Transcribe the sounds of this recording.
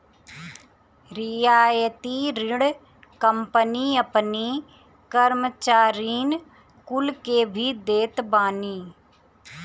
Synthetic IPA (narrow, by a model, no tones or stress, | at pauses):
ɾɪjaːjət̪iɾɪɽ | kəmpəniɐpni | kəɾmət͡ʃaːɾiːn | kʊlkebʱid̪eːt̪baːniː